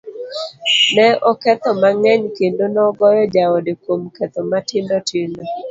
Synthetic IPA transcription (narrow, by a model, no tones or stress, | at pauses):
nɛɔkɛt̪ɔmaŋɛɲkendonɔɡɔjɔd͡ʒaɔdekwomkɛt̪ɔmatɪndɔtɪndɔ